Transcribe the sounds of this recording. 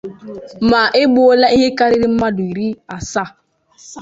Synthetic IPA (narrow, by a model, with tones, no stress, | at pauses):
ma˨ʔɪ˦ɡ͡bʊ˦o˦la˦i˦ɦe˦ka˦ɾi˦ɾi˦m̩˦ma˦dʊ˨i˨ɾi˦a˨sa˦˨